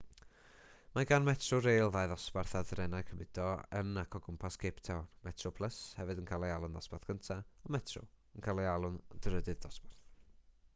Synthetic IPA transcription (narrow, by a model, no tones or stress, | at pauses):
maɡanmɛtʰrʊɾejlˠðajðɔsbarθadrɛnakʰəmɪd̥ɔə̰nakʰɔɡəmpʰaskʰeptʰɛwnmɛtʰrʊpʰlˠəshɛvɨdənkʰalˠɛalˠʊnðɔspaθkʰəntʰaɔmɛtʰrʊ̰ | ənkʰalˠealˠʊndərədɨðɔsbarθ